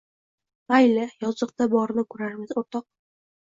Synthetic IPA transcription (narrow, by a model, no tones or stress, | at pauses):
ajlajɒzɤq̚t̪abɒɾnɪkʰɵɾaɾmɪzoɾt̪ɒq̚